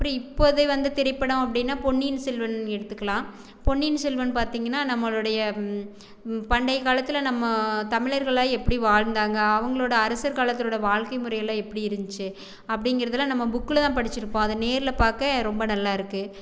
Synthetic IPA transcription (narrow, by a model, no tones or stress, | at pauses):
ɐpːɐɽĩɪpːoɐðɐʋɐnd̪ɯt̪ɛɾɐɪpːɐɽɐ̃ɐp̬ːɐɽɪnːaːpɔɳːiːnsɛlʋɐnɛɽɯt̪ːɯkːɐlãː | pɔɳːinsɛlʋɐnpaːɾt̪iːŋɡɐnːaːnɐmːɐɭɯɽɐjɐ | pɐɳɖɐɪkaːlɐt̪ːɪlɐnɐmːɐt̪ɐmɪɭɐɾɣɐɭaːɛpːɐɽiʋaːɻnd̪aːŋɡɐːʋɐŋɡɐɭoːɽɐːɾɐsɐɾkaːlɐt̪ːɪloːɽɐʋaːɻkɐɪmʊɾɐjɐlːãːɛpːɐɽiɪɾɯnd͡ʒ̪ɯt͡ʃːɯ | ɐpːɐɽɪŋɡɪɾɐðɐlːãːnɐmːɐbʊkːɯlt̪ãːpɐɽɪt͡ʃːɪɾɯpːõːɐðɐneːɾɪlɐpaːɾkɐɾɔmbɐnɐlːaːɪɾɯkːɯ